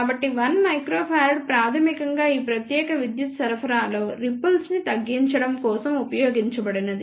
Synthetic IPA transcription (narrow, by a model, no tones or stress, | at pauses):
abɐʈːiʋɐnmɐjkɾoːpʰaːɾɖpɾaːt̪ʰɐmikɐŋɡaːiːpɾɐt̪jɛːkɐʋid̪jut̪sɐɾpʰɐɾaːlo̞ːɾipːɐlsnit̪ɐɡːiɲt͡ʃɐɽɐmkɔːsɐmupɐjoːɡiɲt͡ʃɐbɐɽinɐd̪i